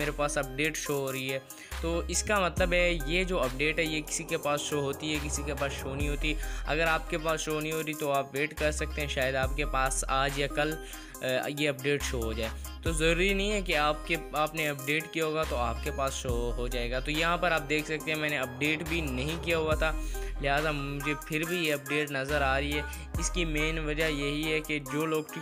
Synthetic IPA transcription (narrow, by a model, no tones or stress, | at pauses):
meːɾepaːsɐp̚ɖeːʈʃoːɦoːɾɐɦiɦɛː | t̪oːɪskamɐt̪ləbɦɛjed͡ʒoːɐpɖeːʈɦɛjekɪ̥sikepaːsʃoːɦoːt̪iɦɛkɪsikepaːsʃoːnĩɦoːt̪iɦɛɐ̰ɡəɾaːp̚kepaːsʃoːnɐɦĩɦoːɾit̪oaːpʋeːʈkɐɾsɐk̚t̪ẽɦɛ̃ʃaːjəd̪aːp̚kepaːsaːd͡ʒjakɐl | jeɐp̚ɖeːʈʃoːɦod͡ʒaːeː | t̪ozɐɾuːɾinɐɦĩɦɛkeaːp̚keaːpneɐp̚ɖeːʈkijaɦoːɡat̪oaːp̚kepaːsʃoːɦod͡ʒaːeːɡat̪ojɐɦãpɐɾaːp̚d̪eːkʰsɐk̚t̪ẽɦɛ̃mɛ̃ːneɐp̚ɖeːʈbʱinɐɦĩkijaɦuat̪ʰalɪɦaːzammʊd͡ʒʱepʰɪɾbʱijeɐp̚ɖeːʈnɐzəɾaːɾɐiɦɛː | ɪskimeːnʋɐd͡ʒajɐɦiɦɛked͡ʒoːloːɡʈi